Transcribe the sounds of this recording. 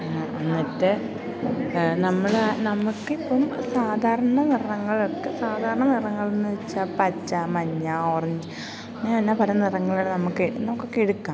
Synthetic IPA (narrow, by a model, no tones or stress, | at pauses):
ɐnːɐtːɨ | nɐmːɐɭnɐmːukːipːɐmsaːd̪ʱaːɾɐɳɐnirɐŋːɐɭokːesaːd̪ʱaːɾɐɳɐnirɐŋːɐɭenːɨʋet͡ɕːapɐt͡ɕːamɐɲːaoːrɐɲd͡ʑ | nːɐnːɐpɐlɐnirɐŋːɐɭoɽenɐmːukːɨnɐmukːo̞kːeeɽukːaː